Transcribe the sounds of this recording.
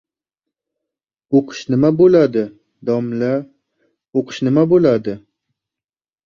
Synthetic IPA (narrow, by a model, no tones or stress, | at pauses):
oqʰɨ̥ʃnɪmabolad̪ɪ | d̪ɒmla | oqʰɨ̥ʃnɪmabolad̪ɪ